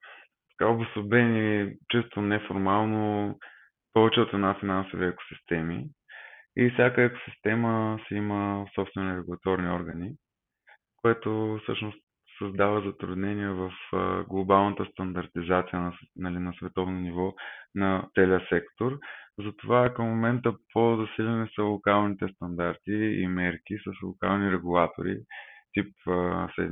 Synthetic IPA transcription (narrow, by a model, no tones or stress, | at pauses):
t̪ɐ̥kaobʊsobɛnit͡ʃɛst̪onɛfoɾmalˠno | pɔvɛt͡ʃɛot̪ɛnafinanso̰viɛko̥si̥st̪ɛmḭ | ifsʲjakəɛko̥si̥st̪ɛməsɛiməfsɔpst̪vɛniɾɛɡulˠɐt̪ɔɾniɔɾɡəni | koɛt̪ofsɤʃnost̪ | sɐzd̪avəzɐt̪ɾud̪nɛniɛvəfɡlˠobalˠnət̪əst̪ɐnd̪ɐɾt̪izat̪sijənɐnɐlinɐsvɛt̪ɔvnonivɔnɐt̪sɛliəsɛkt̪oɾzɐt̪ovakəmːomɛnt̪əpʰozɐsilʲɐnisəlˠokalˠnit̪ɛst̪ɐnd̪aɾt̪iḭmɛɾkisəslˠoka̰lˠniɾɛɡulˠat̪o̰ɾḭt̪ip̚ːsɛ̰